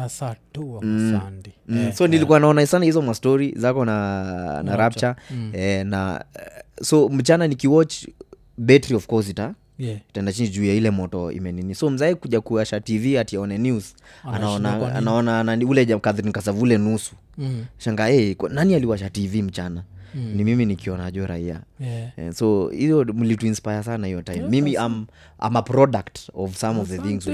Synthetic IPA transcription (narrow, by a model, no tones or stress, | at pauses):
sɔnilikuwanaɔnaisanahizɔmastɔɾizakɔnanaɾapt͡ʃaɛna̰ | sɔm̩t͡ʃananikiwɔt͡ʃ | bɛtɾiɔfkɔɾs̬ita | itaɛndat͡ʃind͡ʒuiailɛmɔtɔḭmɛninisɔm̩zaikuʄakuwaʃativiatiaɔnɛnuz | anaɔnaa̰naɔnananiulɛʄakaðɾinkas̬avulɛnusu̥ | ʃaŋɡaɛknanialiwaʃativim̩t͡ʃananimiminikiɔnaʄuɛɾa̰ia̰ɛ̰sɔijɔm̩lituinspajas̬anahijɔtajmːimiʔam | ʔa̰mapɾɔdaktɔvsamɔvðɛθĩŋz